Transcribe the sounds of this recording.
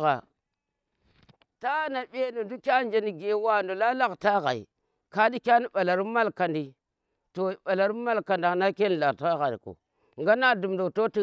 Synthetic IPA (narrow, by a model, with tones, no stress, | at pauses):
ɣa̰˨ | ta˦na˨ɓe˦no˨du˦kʲa˦nd͡ʒe˦ni˨ɡe˦wa˦˨ndo˨la˦la˦ɣta˦ɣa̰˨ḭ˨ | ka˦di˦kʲa˦ni˦ɓa˨la˨ɾma˦lka˨ndi˨ | to˨ɓa˨la˨ɾi˦ma˦lka˨nda˨na˦ke˦n˨la˨ta˦ɣa˨ɾḭ˨ko̰˨ | ŋɡa˦na˦du˨mdo˨to˦ti˦